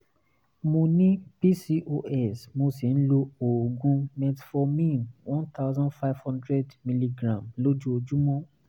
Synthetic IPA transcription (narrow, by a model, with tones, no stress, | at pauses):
mõ˧nĩ˦pi˦si˧ʔo˧ʔɛ˨smo˧si˨ñ̩˦lo˧o˨ɡũ˧˦mɛ̃˧tfɔ˧mĩ˦˨nwʔɔ̃˦nt̪a˦ʊzɔ̃˦nfa˦jvhɔ̃˦ndɾɛ˦dmi˧li˧ɡɾã˨mlo˦d͡ʒu˦o˧d͡ʒu˦mɔ̃˦